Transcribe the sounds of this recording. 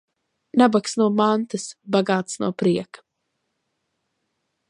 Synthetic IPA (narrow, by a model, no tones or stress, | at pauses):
nabaksnuɔmant̪ɨsbaɡaːt̪snuɔpɾiɛkḁ